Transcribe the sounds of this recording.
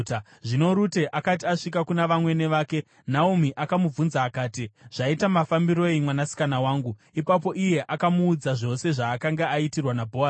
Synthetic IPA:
ʐino̞ɾute̞ʔakatiaʂikakunaʋamwe̞ne̞ʋaːke̞ | naomiʔakamub͡vunzaːkaːtiʐ̥aitamafambiɾo̞imwanasi̥kanawaːŋɡu | ipap̬o̞ʔije̞ʔakamuːd͡zaʐo̞se̞ʐaːkaŋɡeaitirwanabʱos

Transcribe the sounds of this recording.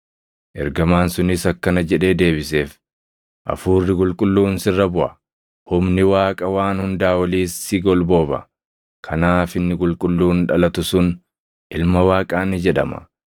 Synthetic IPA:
ʔɛ̰ɾɡɐmaːnsʊnɪsɐkːɐnɐd͡ʒɛᶑe̞ːd̪e̞ːbɪse̞ːf | ʔɐ̰fuːrːɪkʼʊlkʼʊlːuːnsɪrːɐbʊʔɐ | hʊmnɪwaːkʼɐwaːnhʊnd̪aːwɐliːsːɪɡɔlbo̞ːbɐ̰ | kʰɐnaːfɪnːɪkʼʊlkʼʊlːuːnᶑɐlɐt̪ʊsʊn | ʔɪlmɐwaːkʼaːnɪd͡ʒɛᶑɐ̰mɐ̰

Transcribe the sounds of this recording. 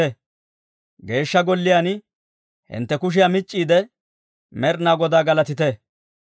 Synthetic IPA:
ɛ | ɡe̞ːʃːɐɡɔlːɪjaːn | hɪ̰nt̪ːɛkʊʃ̬ɪjamɪt͡ʃʼːiːd̪ɛ | mɛɾnaːɡɔd̪aːɡɐlɐt̪ɪt̪ɛ

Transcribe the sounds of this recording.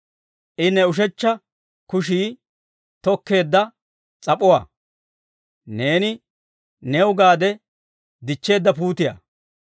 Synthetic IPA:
ʔɪnːɛʊʃ̬ɛt͡ʃːɐ | kʊʃ̬iː | t̪ɔkːe̞ːd̪ːɐ | t͡sʼɐpʼːɔwa̰ː | ne̞ːnɪ | newʊɡaːd̪ɛ | d̪ɪt͡ʃːe̞ːd̪ːɐpuːt̪ɪja̰ː

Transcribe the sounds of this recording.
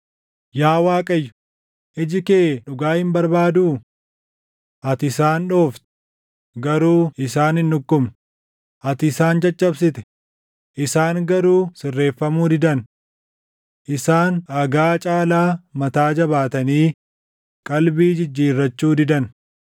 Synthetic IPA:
jaːwaːkʼɐjːʊ̥ | ʔɪd͡ʒɪkeːᶑʊɡaːhɪmbɐɾbaːd̪uː | ʔɐt̪ɪsaːnᶑo̞ːft̪ | ɡɐɾuːɪsaːnɪnːʊkːʊm | ʔɐt̪ɪsaːnd͡ʒɐt͡ʃʼːɐbsɪt̪ɛ̥ | ʔɪsaːŋɡɐɾuːsɪrːe̞ːfːɐmuːd̪ɪd̪ɐn | ʔɪsaːnɐɡaːt͡ʃʼaːlaːmɐt̪aːd͡ʒɐbaːt̪ɐniː | kʼɐlbiːd͡ʒɪd͡ʒːiːrːɐt͡ʃːuːd̪ɪd̪ɐn

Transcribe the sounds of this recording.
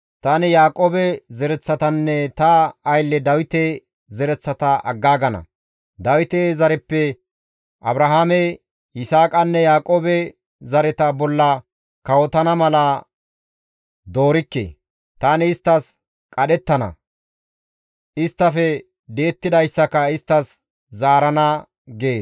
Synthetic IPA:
t̪anɪjaːkʼo̞ːbɛzɛɾɛt͡sːɐt̪ɐnːɛt̪ɐːjlːɛd̪ɐwɪt̪e | zɛɾɛt͡sːɐt̪ɐʔɐɡːaːɡɐnɐ̰ | d̪ɐwɪt̪ezɐɾɛpːɛ | ʔɐbɾɐɦaːmɛ | ɪsaːkʼɐnːɛjaːkʼoːbɛ | zɐɾɛt̪ɐbɔlːɐ | kɐwɔt̪ɐnɐmɐlɐ | d̪o̞ːɾɪkːḛː | t̪aːnɪːst̪ːɐs | kʼɐɗɛt̪ːɐnɐ̰ | ʔɪst̪ːɐfɛ | d̪e̞ːt̪ːɪd̪ɐjsːɐkɐɪst̪ːɐs | zaːɾɐnɐ | ɡeːs

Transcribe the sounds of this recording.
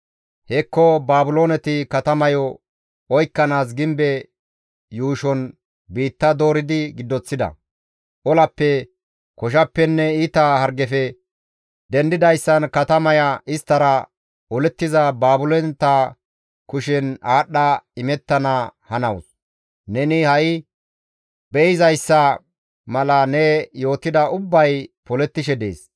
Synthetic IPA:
hɛkːɔbaːbʊloːnɛt̪ɪkɐt̪ɐmɐjɔ | ɔjkːɐnaːs̬ɡɪmbɛ | juːʃɔn | biːt̪ːɐd̪o̞ːɾɪd̪ɪɡɪd̪ːɔt͡sːɪd̪ɐ̰ | ʔɔlɐpːɛ | kɔʃ̬ɐpːɛnːɛiːt̪ɐhɐɾɡɛfɛ | d̪ɛnd̪ɪd̪ɐjsːɐnkɐt̪ɐmɐjɐʔɪst̪ːɐɾɐ | ɔlɛt̪ːɪzɐbaːbʊlɛnt̪ːɐ | kʊʃɛnaːɗːɐɪmɛt̪ːɐnɐhɐnɐws | nɛnɪhɐjɪ | bɛɪzɐjsːɐ | mɐlɐnɛjo̞ːt̪ːɪd̪ɐʊbːɐjpɔlɛt̪ːɪʃɛd̪ḛːs

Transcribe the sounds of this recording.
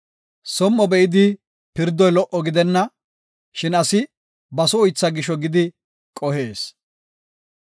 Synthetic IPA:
sɔmːɔbɛɪd̪ɪ | pɪɾd̪ɔjlɔʔɔɡɪd̪ɛnːɐ | ʃɪnɐsɪ | bɐsɔʊjt͡sːɐɡɪʃɔɡɪd̪ɪ | kʼɔheːs

